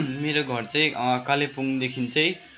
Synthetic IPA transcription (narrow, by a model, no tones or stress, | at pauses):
meɾoɡʱʌrt͡saĩkalepuŋd̪ekʰint͡sʌj̃